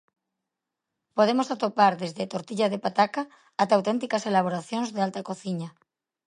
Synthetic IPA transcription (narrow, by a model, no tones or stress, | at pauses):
poð̞emosat̪opaɾðezðet̪oɾt̪iʎaðepat̪akaː | t̪awt̪ent̪ikaselaβ̞oɾaθjõŋzðealt̪akoθiɲa